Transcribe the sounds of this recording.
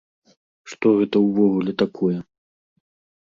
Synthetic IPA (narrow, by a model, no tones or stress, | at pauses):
ʂt̪ɔɣɛt̪ɐwvɔɣulʲɛt̪akʰɔjɛ